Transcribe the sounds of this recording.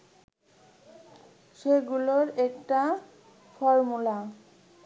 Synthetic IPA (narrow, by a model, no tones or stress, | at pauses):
ʃeɡuloɾekʈa | fɔɾmula